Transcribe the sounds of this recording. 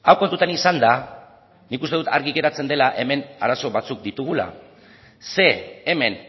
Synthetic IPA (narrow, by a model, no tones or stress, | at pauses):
awkont̪ut̪anisand̪a | nikust̪e̞ðut̪a̰ɾɣiɣe̞ɾat͡se̞nd̪e̞laʔe̞me̞na̰ɾaso̞βat͡suk̚d̪it̪uɣ̞ula̰ | se̞ːme̞n